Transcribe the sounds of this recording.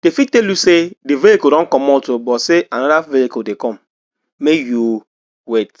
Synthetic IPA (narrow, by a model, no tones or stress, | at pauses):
d̥efitːɛljusedevihikudɔ̃nkɔ̃mɔltobɔseʔanɔdavihikudekɔ̃m | mekju | wet